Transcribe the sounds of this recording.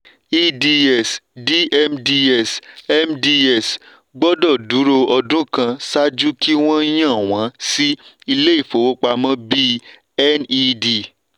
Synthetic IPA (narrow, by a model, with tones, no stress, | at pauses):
i˦di˧ɛ˦˨sdi˦ɛ˦˧mdi˧ɛ˦˨sɛ˦mdi˧ɛ˨s | ɡ͡bɔ˦dɔ˦˨du˨˦ɾo˧ɔ˧dũ˦kã˧sa˦d͡ʒu˦ki˦w̃ɔ̃˦j̃ã˦˨w̃ã˨˦si˦ | i˧le˦i˦˨fo˨wo˦k͡pa˧mɔ̃˦bi˦ | ɛ˦ni˦di˨